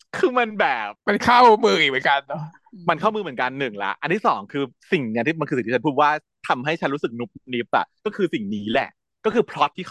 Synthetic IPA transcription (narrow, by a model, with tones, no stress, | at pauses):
kʰɯː˧ma˧nbɛː˨˩p̚pe˧nkʰaː˥˩wmɯː˧˩i˨˩mɯ˩˦ka˧nːɔ˦ | ma˧nkʰaː˥˩mɯː˧mɯ˩˦ə˦nka˧nːɯ˨˩ŋla̰˦˥ʔa˧nt̪iː˥˩sɔː˩˦ŋkʰɯː˧si˨˩ŋni˦˥t̪ʰiː˥˩m˧nkʰːi˨˩t̪ʰːa˦pʰuː˥˩t̪̚waː˥˩ | t̪ʰa˧mɦa˥˩jt͡ɕʰa˦˥nɾu˦˥sɯ˨˩k̚nu˦˥p̚ni˦˥p̚a̰˨˩kɔː˥˩kʰɯː˧si˨˩ŋniː˦˥lɛ̰˨˩ | kɔː˥˩kʰɯː˧pʰɾɔ˦˥t̪̚ʰːiː˥˩